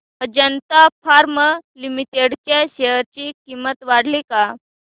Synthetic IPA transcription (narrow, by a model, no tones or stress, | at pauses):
əd͡ʑənt̪afʰaɾməlimit̪eɽt͡ɕaɕeɦəɾt͡ɕikimət̪ʋaɽlika